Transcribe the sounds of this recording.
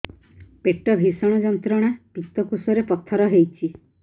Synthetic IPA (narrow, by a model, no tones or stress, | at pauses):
peʈɔbʱisɔɽ̃ɔd͡ʒɔnt̪ɾɔɽ̃apit̪ːɔkusɔɾepɔt̪ʰːɔɾɔɦejt͡ʃʰi